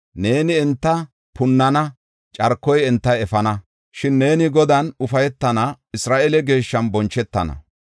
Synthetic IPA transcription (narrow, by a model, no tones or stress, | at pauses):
ne̞ːnɪɛnt̪ːɐ | pʊnːɐnɐ | t͡ʃʼɐɾkːɔjɛnt̪ːɐjɛfɐnɐ | ʃɪnːe̞ːnɪɡɔd̪ɐnʊfɐjɛt̪ːɐnɐ | ɪsɾaːʔɛlɛɡe̞ːʃːɐnbɔnt͡ʃːɛt̪ːɐ̰nɐ̰